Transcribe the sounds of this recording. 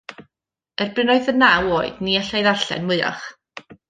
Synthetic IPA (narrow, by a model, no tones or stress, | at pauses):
ɛrbɪnoɨðənawoːɨd̥niaɬajðarɬɛ̰nmwʊɨa̰χ